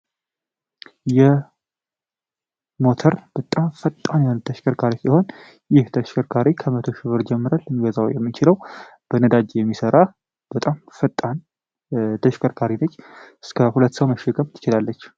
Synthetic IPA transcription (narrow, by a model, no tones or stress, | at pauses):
jɛ | mo̞t̪ʰəɾb̥ət̪ʼamfət̪ʼːanjalːt̪ʰəʃkʰəɾkʰaɾisiho̞n | jɪht̪ʰəʃkʰəɾkʰaɾikʰəmət̪ʰo̞ʃɪβɨɾd͡ʒɛmːɨɾalːəmːiɡəzawjɛmːit͡ʃɪləwb̥ənəd̪ad͡ʒjɛmːisəɾa | b̥ət̪ʼamfət̪ʼːan | t̪ʰəʃkʰʼəɾkʰaɾinət͡ʃːɨskʰəhulət̪ːsəwməʃːɛkʰʼəmt̪ʰɨ̥t͡ʃɪlalːət͡ʃː